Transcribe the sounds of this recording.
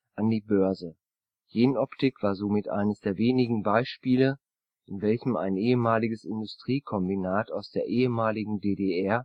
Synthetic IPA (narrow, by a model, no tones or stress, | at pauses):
ʔʔandiːbœɐzə | jeːnʔɔptɪkv̥aːɐzomɪtʔa̰ɪnəsd̥eːɐveːnɪɡŋ̩baɪʃpiːlə | ʔɪnvɛlçəma̰ɪnʔeːəmaːlɪɡəsɪndʊstʁ̥iːkʰɔmbinaːtaʊsd̥eːɐʔeːəmaːlɪɡŋ̩deːdeɛɐ